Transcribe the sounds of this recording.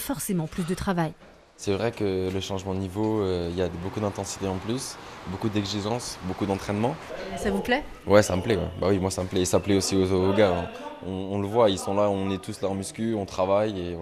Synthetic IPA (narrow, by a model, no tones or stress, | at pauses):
fɔʁsemɑ̃plys̬d̪ət̪χavaj | sɛvʁɛkələʃɑ̃ʒmɑ̃d̪ənivoøiljad̪əbokud̪ɛ̃t̪ɑ̃si̥t̪eɑ̃plysbokud̪ɛɡziʒɑ̃sbokud̪ɑ̃t̪χɛnmɑ̃savuplɛ | wɛsaməplɛwɛ̰bawimwasaməplɛesaplɛosiooɡaɛ̃ɔ̃ːləvwailsɔ̃laɔ̃nɛt̪uslaɑ̃myskʲyɔ̃t̪χavajẽ